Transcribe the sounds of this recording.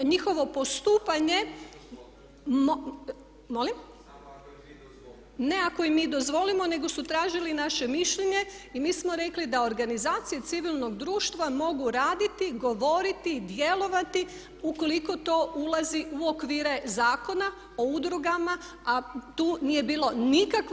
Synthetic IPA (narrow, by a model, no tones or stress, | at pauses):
ɲixo̞ʋo̞po̞st̪uːpaɲe̞ | m | molim | ne̞akoimːiːd̪o̞zʋo̞limo̞ne̞ɡo̞sut̪ɾaːʒilinaʃe̞miʃʎeɲe̞imiːsmo̞ɾe̞klid̪ao̞ɾɡanizaːt̪sije̞t̪siʋilˠno̞ɡd̪ɾuːʃt̪ʋamo̞ɡuɾaːd̪it̪iɡo̞ʋo̞ɾit̪id̪je̞lˠo̞ʋat̪i | uko̞liko̞t̪o̞ːʔulˠaziʔuokʋiːɾe̞zaːko̞na | o̞ud̪ɾuɡama | at̪uːnije̞biːlˠo̞nikak